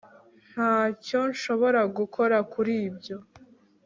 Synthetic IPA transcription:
n̥haːco̞nʃo̞βo̞ɾaɡukʰo̞ɾakuɾiːbɟo̞

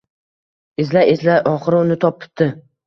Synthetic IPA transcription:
ɪzlaezlaɒχɨɾʊnɪt̪ʰɒp̚ːʰʊ̥p̚t̪ʰːɪ

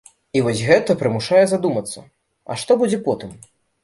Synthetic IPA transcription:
ivɔsʲɣɛt̪ɐpɾɨmuʂajɛzad̪umɐt̪sːɐ̰ | ɐ̰ʂt̪ɔbud͡zʲɛpɔt̪ɨm

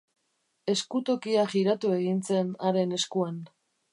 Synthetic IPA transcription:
e̞skut̪o̞kiaʝiɾat̪ue̞ɣinse̞naɾe̞ne̞skuan

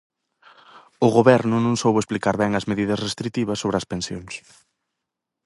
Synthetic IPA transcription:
ʊɣoβɛɾnʊnõŋsowβʊesplikaɾβɛŋɐzmeðiðɐsrest̪ɾit̪iβɐsːoβɾɪɐspensjoŋs

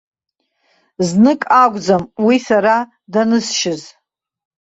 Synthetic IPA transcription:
znɨkʼaɡʷd͡zamwisaɾa | danɨsʃɪz

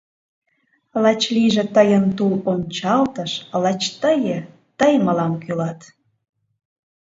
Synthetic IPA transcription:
lɑt͡ɕliʒĕt̪əjənt̪ulonʲt͡ɕɑlt̪əʃlɑt͡ɕt̪əjə̆ | t̪əjməlɑmkylɑt̪

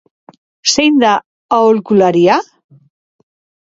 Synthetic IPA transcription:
sejnd̪a | aolkulaɾia

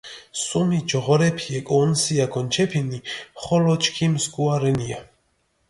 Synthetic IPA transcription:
sumid͡ʒɔʁɔɾɛpʰiɛkʼɔnsiaɡʰɔnt͡ʃʰɛpʰiniχɔlɔt͡ʃʰʼkʰimsɡuaɾɛnia

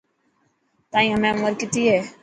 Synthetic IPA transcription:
t̪ãːĩːɦəmẽːʊməɾkɪt̪iːɦeː

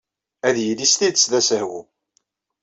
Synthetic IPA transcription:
æðjəlist̪id̪ət͡sːðæsəhwṵ

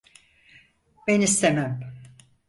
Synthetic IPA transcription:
b̥enist̪ʰemæm

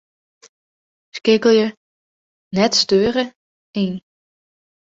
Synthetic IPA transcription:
skɪɡəl̩ˠjə | nɛtstøːɾə | en

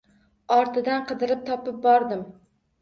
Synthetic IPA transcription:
ɒɾt̪ʰɪd̪anqɨd̪ɪɾɪp̚t̪ʰɒpɪp̚bɒɾd̪ɪm

